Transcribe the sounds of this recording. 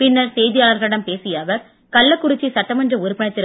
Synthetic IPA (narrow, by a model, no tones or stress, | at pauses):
pɪnːɐɾsɛjðɪjaːlɐɾɣɐɭɪɽɐmpeːsɪjaːʋɐɾ | kɐlːɐkːʊɽɪt͡ʃːisɐʈːɐmɐndrɐʊɾɯpːɪnɐt̪ːɪɾ